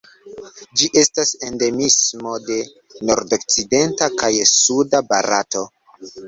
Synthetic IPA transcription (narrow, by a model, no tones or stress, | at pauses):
d͡ʒiʔe̞stase̞nde̞mismo̞de̞ | no̞ɾdokt͡side̞ntakajsudabaɾa̰to̞